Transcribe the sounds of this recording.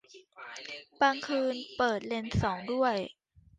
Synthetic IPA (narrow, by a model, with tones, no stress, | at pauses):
baː˧ŋkʰɯː˧npɤː˨˩t̪̚le˧nsɔː˩˦ŋdu˥˩əj